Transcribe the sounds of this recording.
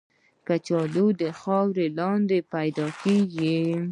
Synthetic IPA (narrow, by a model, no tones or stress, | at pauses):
kat͡ʃɑlud̪əxɑwɾelɑnd̪epajd̪ɑkeɡi